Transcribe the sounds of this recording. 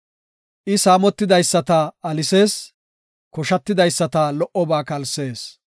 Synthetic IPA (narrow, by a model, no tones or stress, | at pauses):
ʔɪsaːmɔt̪ːɪd̪ɐjsːɐt̪ɐɐlɪse̞ːs | kɔʃɐt̪ːɪd̪ɐjsːɐt̪aːlɔʔɔbaːkɐlse̞ːs